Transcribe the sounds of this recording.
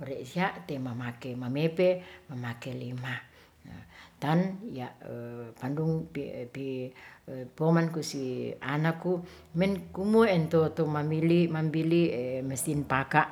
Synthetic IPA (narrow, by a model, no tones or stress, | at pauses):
oɾeʔsiaʔt̪emamakemamepemamakelima̰ | t̪anjaʔpanduŋppi | pomankusia̰nakːu | mɛnkumoɛnt̪ot̪omambilimambiliməsinpakaʔ